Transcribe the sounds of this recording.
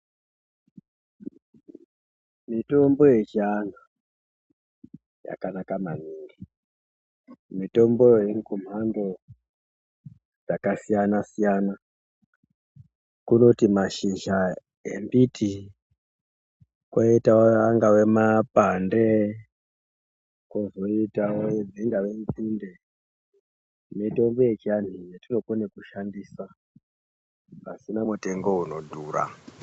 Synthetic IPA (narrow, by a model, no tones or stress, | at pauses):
mitombojeʒana | ja̰kanakamaniːŋɡi | mito̞mbojeŋkum̤ando | d͡zakasijanasijana | kuno̞timaʃiʒa | ḛmbitʰi | kwaitawoaŋɡawemapande | kozo̞itawojed͡ziŋɡaʋenkinde | nito̞mbojet͡ʃian̤ijetino̞konekuʃandiːsa | a̰sinamute̞ŋɡo̞uno̞dʱuːɾa̰